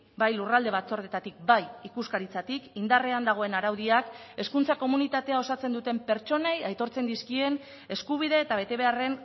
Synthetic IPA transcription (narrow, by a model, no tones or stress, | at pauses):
bajlurald̪e̞β̞at͡so̞ɾð̞e̞t̪at̪ik̚bajikuskaɾit͡sat̪ikind̪areand̪aɣ̞o̞e̞naɾawðiake̞skunt͡sako̞munit̪at̪e̞ao̞sat͡se̞nd̪ut̪e̞mpe̞ɾt͡ʃo̞ne̞jajt̪o̞ɾt͡se̞nd̪iskie̞n | e̞skuβ̞iðe̞ːt̪aβe̞t̪e̞βe̞are̞n